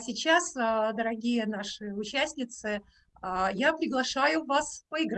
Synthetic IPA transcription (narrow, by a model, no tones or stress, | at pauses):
sʲɪt͡ɕasəd̪əɾɐɡʲijənaʂɨʊt͡ɕæsʲnʲɪt̪sɨ | japɾʲɪɡlˠɐʂajʊvaspəɪɡɾ